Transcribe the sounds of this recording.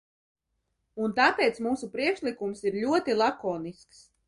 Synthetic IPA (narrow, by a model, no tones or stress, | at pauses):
unt̪apeːt̪smuːsupɾiɛkʃlˠikumsiɾlʲuɔt̪ilˠakoːnisks